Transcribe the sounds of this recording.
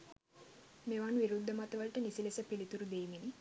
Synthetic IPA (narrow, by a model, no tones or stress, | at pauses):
meʋanuʋiɾud̪ʱːəmat̪əʋəlʈənisilesəpilit̪uɾud̪eːmini